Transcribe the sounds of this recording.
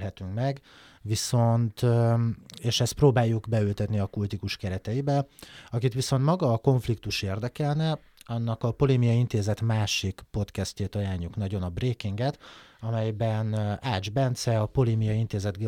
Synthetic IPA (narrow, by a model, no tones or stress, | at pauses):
ɦɛt̪yŋkmɛɡ | ʋiso̞nt̪ | eːʃɛst̪proːbaːjːuɡbɛylt̪ɛt̪niɒkult̪ikuʃkɛɾɛt̪ɛibɛɒkit̪ʋiso̞nt̪mɒɡɒːko̞ɱflikt̪uʃeːrd̪ɛkɛlnɛ | ɒnːɒkɒpo̞leːmijɒint̪eːzɛt̪maːʃikpo̞t̪kɛsceːt̪ɒjaːɲːuknɒɟo̞nɒbreːkiŋɡɛt̪ɒmɛjbɛnaːd͡ʒbɛnt̪sɛɒpo̞leːmijɒint̪eːzɛd̪ɡɛ